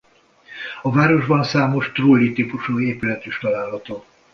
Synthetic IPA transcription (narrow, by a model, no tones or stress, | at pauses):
ɒvaːɾo̞ʒbɒnsaːmo̞ʃt̪roːlit̪ipuʃuːeːpylɛt̪yʃt̪ɒlaːlɦɒt̪oː